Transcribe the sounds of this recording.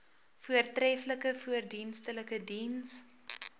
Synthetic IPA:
fuərtrɛfləkəfuərdinstələkədins

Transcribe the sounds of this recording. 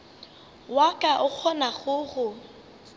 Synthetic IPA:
wakʼaʔʊk͡xʰɔnaɣʊɣʊ

